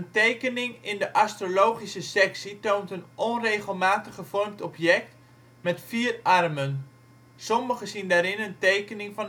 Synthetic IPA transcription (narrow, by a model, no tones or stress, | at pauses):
əntejkənɪŋɪndəʔastrolowχisəsɛksitowntənɔnrejχəlˠmaːtəχəfɔrmtɔpjɛk̚t | mɛtfiːrɑrmən | sɔməχəsindaːɾɪnəntejkənɪŋfɑn